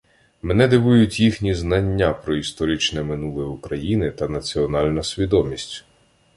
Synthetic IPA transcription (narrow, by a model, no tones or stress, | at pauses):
mɛnɛd̪ɪʋujʊtʲjixnʲiznɐnʲːapɾɔist̪ɔɾʲit͡ʃnɛmɪnulˠɪukɾɐjinɪt̪ɐnɐt͡sʲiɔnɑlʲnɐsʲʋʲid̪ɔmʲisʲtʲ